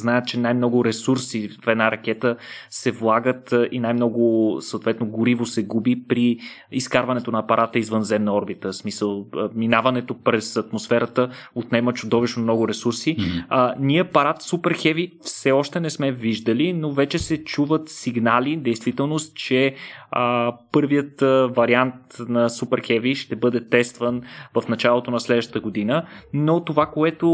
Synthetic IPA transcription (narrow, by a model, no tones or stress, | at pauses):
znaɛət̪̚t͡ʃɛnajmnɔɡʊɾɛsuɾsifɛd̪naɾɐk̟ɛt̪əsɛvlˠaɡət̪inajmnɔɡʊsəoːt̪vɛt̪noɡʊɾivosɛɡubipɾi | iskaɾvɐnɛt̪onɐːpɐɾʔat̪əizvənzɛmnəɔɾbit̪əsmisəlˠminavɐnɛt̪opɾɛsɐt̪mosfɛɾət̪əot̪nɛmət͡ʃʊd̪ɔviʃnomnɔɡʊɾɛsuɾsiəniɛpɐɾat̪supɛɾxɛvifsɛɔʃt̪ɛnɛsmɛviʒd̪əlinovɛt͡ʃɛsɛt͡ʃuvət̪siɡnalid̪ɛjst̪vit̪ɛlˠnost̪t͡ʃɛəpɤɾvijət̪vɐɾiant̪nɐsupɛɾxɛviʃt̪ɛbɤd̪ɛt̪ɛst̪vənvɐfnɐt͡ʃalˠot̪onɐslɛd̪vəʃət̪əɡod̪inənot̪ovakoɛt̪o